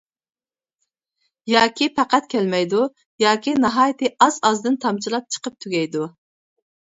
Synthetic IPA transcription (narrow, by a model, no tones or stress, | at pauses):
jɑːkʲipʰæqæt̪kʲʰɛlmɛjd̪u | jɑːkʲʰinɑɦɑːjt̪ʰɨɑzɑzd̪ɨnt̪ʰɑmt͡ʃʰilˠɑp̚t͡ʃʰə̥qəp̚t̪ʰyɡʲɛjd̪u